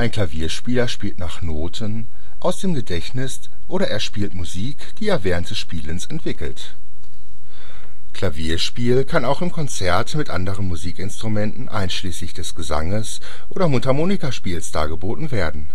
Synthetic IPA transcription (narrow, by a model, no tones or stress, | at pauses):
ʔaɪnkʰl̥aviːɐʃpiːlɐʃpiːltnaːχnoːtʰən | ʔaʊsd̥eːmɡədɛçnɪs | ʔoːɾɐʔɛːɐʃpiːltmuziːkd̥iːeːvɛːʁ̞əntd̥ɛsʃpiːlənsɛntv̥ɪkl̩t | kʰl̥aviːɐʃpiːlkʰanaʊxɪmkʰɔnt͡sɛɐtmɪtʔa̰ndəʁ̞ənmuziːkɪnstʁ̥umɛntn̩ʔa̰ɪnʃliːslɪçd̥ɛsɡ̥əza̰ŋəs | ʔoːdɐmʊtamoːnikaʃpiːlsd̥a̰ːɡəboːtn̩veːɐdn̩